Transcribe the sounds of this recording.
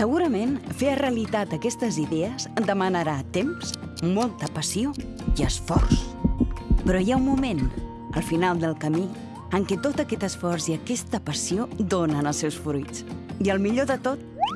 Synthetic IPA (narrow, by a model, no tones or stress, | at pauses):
səɣ̞uɾəmenfeəreəlit̪at̪əkɛst̪əziðɛəz̥d̪əmənəɾat̪ems | molˠt̪əpəsioiəsfɔ̰rs | pɾɔjaumːumen | ə̰lˠfinalˠd̪əlˠkəmi | əŋkɛt̪ot̪əkɛt̪əsfɔrsiəkɛst̪əpəsiod̪onənəlˠsɛwsfɾujt͡siəlˠmiʎoðət̪ot̪̚